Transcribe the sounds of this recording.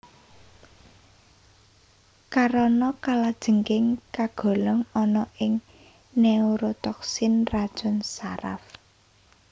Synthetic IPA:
kaɾɔnɔkalad̥ʒ̥ə̤ŋkɪŋkaɡ̥ɔ̤lɔŋɔnɔʔɪŋ | neuɾot̪ɔksɪnrad̥ʒ̥ɔ̤nsaɾa̰f

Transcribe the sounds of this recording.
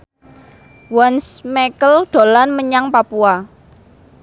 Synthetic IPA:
wɔnsmɛkəlɖ̪̥o̤lanməɲaŋpapua

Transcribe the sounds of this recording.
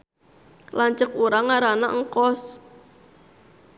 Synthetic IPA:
laɲt͡ʃəkuɾaŋaɾanaʔŋkɔs

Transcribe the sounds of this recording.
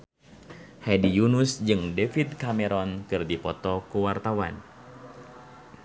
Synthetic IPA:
hɛdijunusd͡ʒɨŋdefit̪̚kamɛɾɔnkɨrdipɔt̪ɔkuwart̪awa̰n

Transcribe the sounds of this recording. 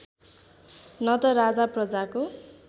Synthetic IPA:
nʌt̪ʌɾad͡zaprʌd͡zako

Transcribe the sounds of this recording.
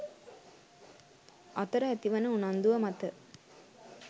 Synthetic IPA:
ɐt̪ɐɾɐɛt̪iʋɐnɐunɐnd̪uʋɐmɐt̪ɐ

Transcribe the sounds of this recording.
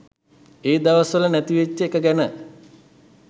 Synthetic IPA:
eːd̪aʋəsʋələnæt̪iʋet͡ʃːəekəɡænə

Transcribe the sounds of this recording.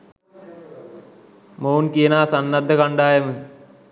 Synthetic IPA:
mounkijənaːsanːad̪ːəkaɳɖaːjəmə

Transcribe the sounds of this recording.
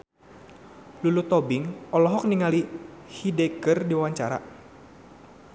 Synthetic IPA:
lulut̪ɔbɪŋɔlɔɦɔk̚niŋalihidekərdiwawaɲt͡ʃaɾa̰

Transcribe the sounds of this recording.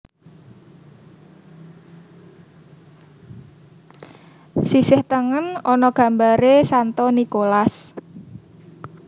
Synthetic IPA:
sisɪht̪əŋənɔnɔɡ̥ä̤mbaɾesant̪ɔnikolas

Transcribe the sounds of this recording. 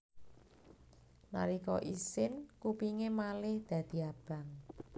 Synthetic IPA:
na̰ɾikɔʔisɪnkupiŋemalɪhd̪̥ä̤d̪̥i̤ab̥a̤ŋ

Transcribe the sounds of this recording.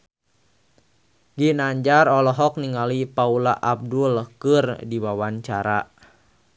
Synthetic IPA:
ɡinaɲd͡ʒarɔlɔɦɔk̚niŋalipaula̰ʔab̚dulkɨrdiwawaɲt͡ʃaɾa

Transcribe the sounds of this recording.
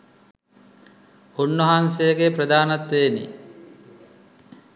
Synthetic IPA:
onːəɦansejəɡeprɐd̪aːnat̪ʋeːnḭ

